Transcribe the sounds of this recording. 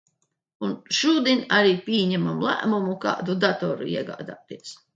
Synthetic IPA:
unʃuːd̪inʲaɾiːpʲiɛɲɛmamlˠæ̰ːmumuka̰ːd̪ud̪at̪ɔɾṵḭɛɡa̰ːd̪aːt̪iɛs

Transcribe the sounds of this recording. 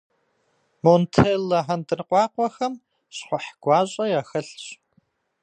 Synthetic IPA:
montʰeːlːɐħantɨnqʷʼɑːqʷɔxɐm | ɕχʷɔħɡ̥ʷɑːɕʼɐjaːxɐɬɕ

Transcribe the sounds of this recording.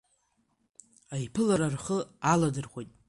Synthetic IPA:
ajpʰɨlaɾarχəaladɨrχʷojtʼ

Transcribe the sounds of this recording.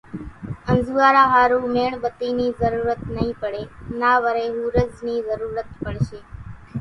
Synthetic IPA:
ə̃nd͡ʒuʋaːɾaɦaːɾũmeɳ̃bət̪inizəɾuɾət̪nəɦĩpəɽenaːʋəɾeɦũɾəd͡ʒniːzəɾuɾət̪̚pəɳʃeː

